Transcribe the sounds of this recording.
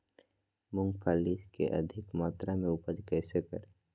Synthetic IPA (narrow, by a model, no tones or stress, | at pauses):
mʊ̃ŋɡpʰaːliskḛʔɐ̰d̪ʱɪkmaːt̪ɾamẽʊpəd͡ʒkɛːsekə̰ɾe